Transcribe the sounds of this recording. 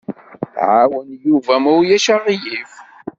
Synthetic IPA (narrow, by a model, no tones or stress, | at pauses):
ʕawənjuvæmuwjæʃaʁijif